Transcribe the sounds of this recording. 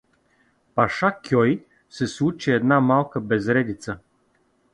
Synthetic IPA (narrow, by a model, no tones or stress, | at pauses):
paʃakʲʰjɔj | sɛsut͡ʃiɛd̪namalˠkəbɛzɾɛd̪it̪sə